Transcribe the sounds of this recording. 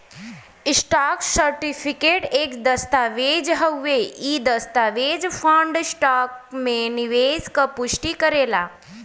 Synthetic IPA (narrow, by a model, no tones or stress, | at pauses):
sʈaːksəɾʈipʰikeʈeːkd̪əst̪aʋed͡ʒɦəwːeid̪əst̪aʋed͡ʒpʰãɳɖsʈaːk̚meniʋeskapuʃʈikəɾeːla̰